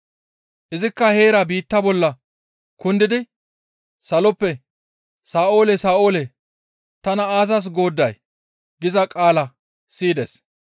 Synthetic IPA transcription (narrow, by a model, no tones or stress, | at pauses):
ʔɪzɪkːɐhe̞ːɾɐbiːt̪ːɐbɔlːɐ | kʊnd̪ɪd̪ɪ | sɐlɔpːɛ | saːʔo̞ːlɛsaːʔo̞ːlɛ | t̪ɐnɐaːs̬ɐs̬ɡo̞ːd̪ːɐj | ɡɪzɐkʼaːlɐ | siːd̪ɛ̰s